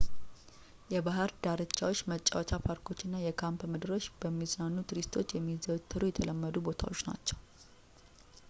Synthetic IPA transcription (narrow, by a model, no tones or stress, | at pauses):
jɛbaɦəɾd̪aɾɨt͡ʃːawot͡ʃːmət͡ʃʼːa̰wɔt͡ʃ̪ʰapʰaɾkʰo̞t͡ʃːɪnːajɛkʰampmɨd̪ɨɾo̞t͡ʃːb̥əmːiznanːut̪ɾist̪ʰo̞t͡ʃːjɛmːizəwt̪ʰːɨɾojɛt̪ʰələmːəd̪ubo̞t̪ʰa̰wo̞t͡ʃːna̰t͡ʃːɛw